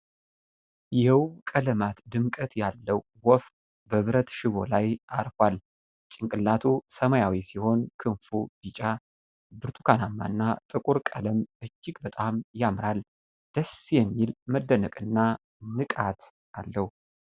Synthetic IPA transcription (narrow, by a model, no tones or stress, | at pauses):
jɛwkʼələmat̪d̪ɨmkʼət̪jalːəwːɔf | bəβɨɾət̪ʃɪβo̞̰lajʔaɾfwal | t͡ʃʼɪŋkʼɨlːat̪ʰusəmajawisiho̞nkʰɨɱfubit͡ʃʼa | bɨɾt̪ʰu̥kʰanamːa̰nːat̪ʼɨkʼuɾkʼə̰ləmʔɨd͡ʒːɪɡbət̪ʼamjamɾal | d̪̥əsjɛmːilməd̪ːənəkʼɨnːa | nɨkʼat̪ | alːəhu